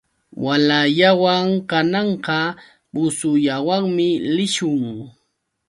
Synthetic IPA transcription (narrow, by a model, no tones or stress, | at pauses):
walaʎawaŋkanɑɴqɑ | bʊsʊʎawaŋmɪlɪʃʊŋ